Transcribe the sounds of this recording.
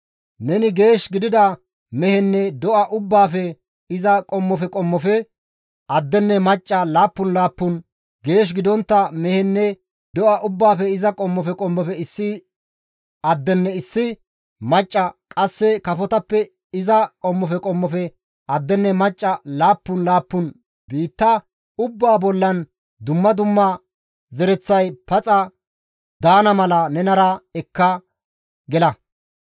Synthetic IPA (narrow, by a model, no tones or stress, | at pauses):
nɛnɪɡe̞ːʃɡɪd̪ɪd̪ɐ | mɛhɛnːɛd̪ɔʔɐʔʊbːaːfɛ | ɪzɐkʼɔmːɔfɛkʼɔmːɔfɛ | ɐd̪ːɛnːɛmɐt͡ʃʼːɐlaːpːʊnlaːpːʊn | ɡeːʃ̬ɡɪd̪ɔnt̪ːɐmɛhɛnːɛ | d̪ɔʔɐʔʊbːaːfɛɪzɐkʼɔmːɔfɛkʼɔmːɔfɛɪsːɪ | ɐd̪ːɛnːɛɪsːɪ | mɐt͡ʃʼːɐkʼɐsːɛkɐfɔt̪ɐpːɛ | ɪzɐkʼɔmːɔfɛkʼɔmːɔfɛ | ɐd̪ːɛnːɛmɐt͡ʃʼːɐlaːpːʊnlaːpːʊn | biːt̪ːɐ | ʊbːaːbɔlːɐn | d̪ʊmːɐd̪ʊmːɐ | zɛɾɛt͡sːɐjpɐt͡sʼɐ | d̪aːnɐmɐlɐnɛnɐɾɐɛkːɐ | ɡɛlɐ